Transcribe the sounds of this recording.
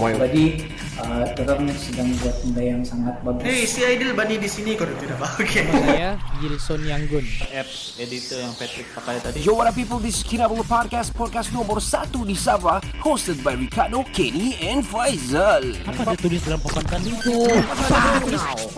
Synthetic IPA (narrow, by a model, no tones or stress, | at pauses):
wajt̪adi | ʔət̪əɾərnsədaŋdiat̪udajaŋsaŋat̪̚baɡuesiajdilbanidisinikodut̪idabaokʰeajaɡilisɔnjaŋɡʊnɛp̚s | edit̪ɔjaŋpɛt̪ɾɪk̚pat̪ajat̪adid͡ʒowaɾapipəldiskʰiɾabəlˠpɔd̚kast̚pɔd̚kasnɔ̃mbərsat̪udisabahostəd̚bajɾikardokeniɛ̃nfajzəlapaat̪ulɪsdalampəkant̪anikuaat̪ulɪs